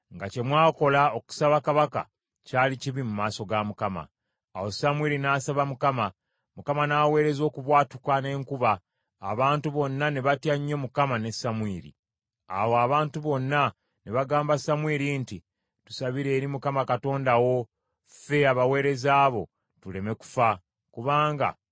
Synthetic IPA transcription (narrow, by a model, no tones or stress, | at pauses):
ŋɡace̞mwaːko̞lao̞ku̥saβakaβaka̰ | caːliciβimumaːso̞ɡamukama̰ː | wo̞samwiːɾinaːsaβamukama | mukamanaːwe̞ːɾe̞zo̞ːkuβwaːtukane̞ːŋkuβa̰ː | βaːntuβo̞nːane̞βatjaɲːo̞mukamane̞samwiːɾḭ | a̰woaβaːntuβo̞nːa | neβaɡaːmbasamwiːɾinti | tu̥saβiɾe̞ːɾimukamakato̞ːndawo̞ | fe̞aβawe̞ːɾe̞zaːβo̞̰ | tule̞me̞ku̥fa | kuβaːŋɡa̰